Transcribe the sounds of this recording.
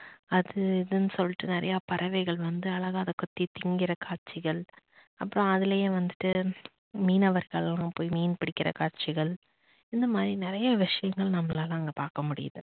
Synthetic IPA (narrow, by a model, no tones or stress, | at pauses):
ɐðɯɪðɯnːɯsɔlːɪʈːɯnɪɾɐ̰jaːpɐɾʔɐʋɛɪɣɐɭʋɐnd̪ɯɐlɐɣaːðɐkɔt̪ːit̪ɪŋɡɪɾɐkaːɾ̚t͡ʃːɪɣɐɭ | ɐpːɯɾõɐðɪlejeʋɐnd̪ɯʈːɯ | miːnɐʋɐɾɣɐɭlãŋpoːjimiːnpɪɽɪkːɪɾɐ̰kaːɾt͡ʃɪɣɐɭ | ɪnd̪ɐmaːd̪ɾinɪɾɐjɐʋɪʂɐjɐŋɡɐɭnɐmːɐlaːlãːɐŋɡɐpaːɾkɐmʊɽɪ̰jɐðɯ